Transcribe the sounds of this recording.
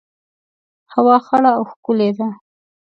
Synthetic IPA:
hawɑxaɽaːwxkʊled̪a

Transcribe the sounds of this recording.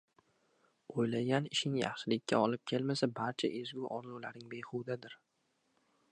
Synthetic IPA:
ojlaɡʲanɪʃɪŋjɑ̰χʃɪlɪkʲːa̰ɒlɪp̚kʲʰe̞lmasabaɾt͡ʃʰa̰ʔezɡʲʊʔɒɾlˠuwla̰ɾɪŋbejχʊwd̪ad̪ɪɾ

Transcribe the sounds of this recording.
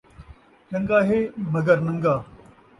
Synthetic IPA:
ʈɐ̃ŋɡaːɦeːmɐɡəɾnɐ̃ŋɡaː

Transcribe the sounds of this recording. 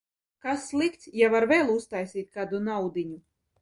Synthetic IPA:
kasːlˠikt̪sjavaɾvɛːlˠust̪ajsiːt̪̚ʲkaːd̪unawd̪iɲu

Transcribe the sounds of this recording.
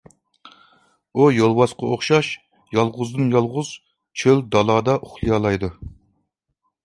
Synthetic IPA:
ujolˠwɑsqɑoχʃɑʃ | jɑlˠʁʊzd̪ɨnjɑlˠʁʊz̥ | t͡ʃʰøld̪ɑlˠɑːd̪ɑʔuχlˠɨjɑːlˠɑjd̪u

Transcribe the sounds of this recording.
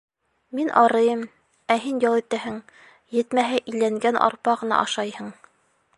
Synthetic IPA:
minʔɑɾɤ̆jɤm | æɦinjɑlˠĭt̪æɦɘŋ | jɘ̆t̪mæɦæʔɘ̆jlæŋɡænʔɑ̰ɾpɑʁɤ̆nɑ̰ʔɑ̰ʃɑjhɤɴ

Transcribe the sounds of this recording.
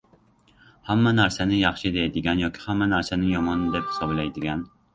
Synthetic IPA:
hæmːɛnæɾsɛnɪjɑχʃid̪ejd̪iɡʲænjɒkʲʰi̥hæmːɛnæɾsɛnɪnjomɒnd̪ɛp̚hi̥sɑblejd̪iɡʲæn

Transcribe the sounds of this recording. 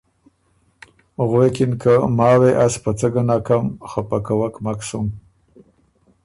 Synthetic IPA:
ɣwekɪnkəmɑweʔaspət͡səɡanɑkamxapakawakmaksum

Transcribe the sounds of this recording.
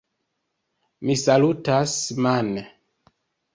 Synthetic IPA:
misalutasmane

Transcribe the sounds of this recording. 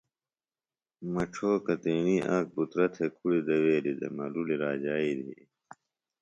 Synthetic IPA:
mɐʈ͡ʂʰoːkɐt̪eːniːʔaːk̚but̪ɾɐt̪ʰekʰuɽid̪ɐweːlid̪ḛmɐluliɾaːd͡ʑaːid̪ʱḭ

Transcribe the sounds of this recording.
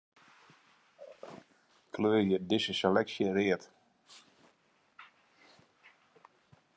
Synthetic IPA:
kʰløːrjədɪsəselɛksjərɪət

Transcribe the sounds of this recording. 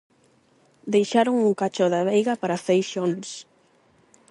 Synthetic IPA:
d̪ejʃaɾoŋuŋkat͡ʃɔðaβejɣapaɾafejʃons

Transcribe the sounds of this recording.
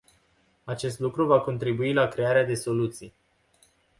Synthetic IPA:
at͡ʃe̞st̪lukɾuvako̞nt̪ɾibuilakɾe̞aɾead̪e̞so̞lut̪sij

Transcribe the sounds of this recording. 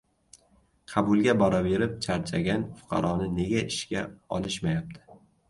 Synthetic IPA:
qʰɑbʊlˠɡʲabɒɾabe̞ɾɪp̚t͡ʃʰaɾt͡ʃʰaɡʲanfʊ̥qʰɑ̰ɾɒnɪne̞ɡʲaɪʃkʲaɒ̰lˠɪʃmajap̚t̪ʰɪ̥

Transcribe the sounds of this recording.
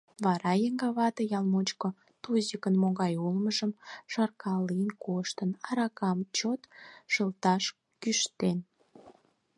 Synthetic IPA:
βɑɾɑjəŋɡɑβɑt̪ejɑlmot͡ɕko | t̪uzikənmoɣɑjulməʒəmʃɑrkɑlijənkoʃt̪ənɑɾɑkɑmt͡ɕot̪ʃəlt̪ɑʃ | kyʃt̪en

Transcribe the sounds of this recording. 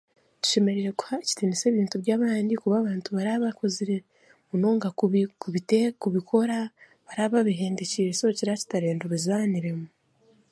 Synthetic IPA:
tu̥ʃe̞meɾiɾe̞ku̥haci̥tinise̞ːβiːntubɟaːβaːndikuβaːβaːntuβaɾaβako̞ziɾe | unoːŋɡakuβitekuβikʰo̞ɾa | βaɾaːβaβiɦe̞ːndeciɾesociɾaci̥taɾeːndoβizaniɾe̞mu

